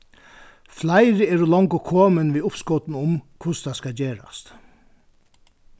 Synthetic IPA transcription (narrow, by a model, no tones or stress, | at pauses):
flajɾɪɛːɾulɔŋkʊkʰoːmɪnʋiʊpskɔːt̪nʊmkʰvʊst̪ʰaskad͡ʑeːɾa̰st̪